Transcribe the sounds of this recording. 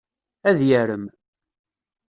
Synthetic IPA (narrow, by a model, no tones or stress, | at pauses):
æðjəɾəm